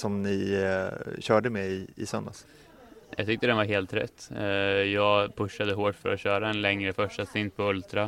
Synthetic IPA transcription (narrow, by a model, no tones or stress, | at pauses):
sɔmnɪ | ɕœːɖəmɛɪɪ̰sœnd̪a̰s | jʔɑ̰ɡt̪ʰʏk̚t̪əd̪ɛnvaɾɦeːlt̪ɾɛ̰t̪ːjɑːɡpʰɵʂːad̪əɦoːʈfœ̰ɾɔɕœːɾaɛnlɛŋɾəfœʂʈasɪnd̪̚pʰɔɵlt̪ɾa